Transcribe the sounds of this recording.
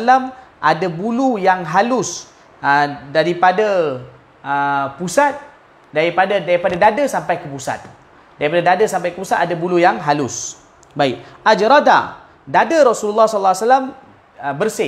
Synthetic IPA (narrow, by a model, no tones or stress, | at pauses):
lamʔadəbulujaŋɦalʊs | ədaɾipada | əpusat̪̚ | daɾipadadaɾipadadadəsampajkəpusa̰t̪̚ | daɾipadadadəsampajkəpusat̪adabulujaŋɦalʊs | baɪk̚ad͡ʒɾad̪a̰ | dadəɾɔsululːasɔllːasalam | əbərsɪ